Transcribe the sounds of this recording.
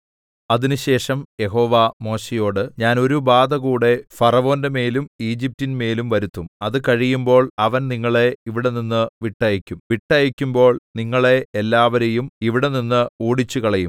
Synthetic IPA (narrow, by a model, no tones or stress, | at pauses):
ɐðinɨɕe̞ːʂɐmje̞ɦo̞ːʋamo̞ːɕejo̞ːɽɨɲaːno̞ɾubaːd̪ɐɣuːɽe̞fɐrɐʋo̞ːndeme̞ːlumiːd͡ʑip̚tinme̞ːlumʋɐɾut̪ːumɐðɨkɐɻijumbo̞ːɭɐʋɐnniŋːɐɭe̞iʋiɽe̞ninːɨʋiʈːɐjɐkʲːumʋiʈːɐjɐkʲːumbo̞ːɭniŋːɐɭe̞elːaːʋɐɾejumiʋiɽe̞ninːɨuːɽit͡ɕːuɣɐɭɐjum